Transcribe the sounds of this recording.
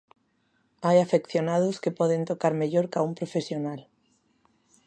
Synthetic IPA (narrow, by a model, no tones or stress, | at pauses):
ajafekθjonaðoskepɔðent̪okaɾmeʎoɾkaumpɾofesjonal